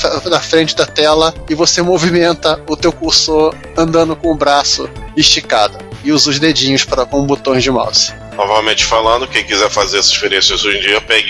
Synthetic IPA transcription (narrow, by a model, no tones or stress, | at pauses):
nɐfɾẽnt͡ʃɪd̪ɐt̪ɛlɐɪvosemovimẽnt̪ɐʊt̪ewkuso | ɐ̃nd̪ɐ̃nd̪ʊkõʊbɾasʊɪʃt͡ʃikad̪ʊɪuzʊzd̪ed͡ʒĩɲʊspaɾɐkõbut̪õj̃zd͡ʒɪma̰wsɐ̥ | novavewmẽt͡ʃɪ̥falɐ̃nd̪ʊkẽkizɛɾfazeɾɛsɐ̥ʃpeɾiẽsɐzoʒẽd͡ʒiɐpɛɡ